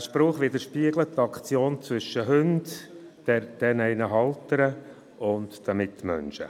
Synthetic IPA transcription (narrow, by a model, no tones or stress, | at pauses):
ʃpɾoːχʋɪd̪əɾʃpiəɡlət̪ːɑkʰt͡sjoːnt͡sʋʏʃːəɦʏnd | d̥ɛɾd̥ɛnɛɪnəɦɑltəɾə | ʊndd̥æmɪt̪ːmœ̰nʃə̰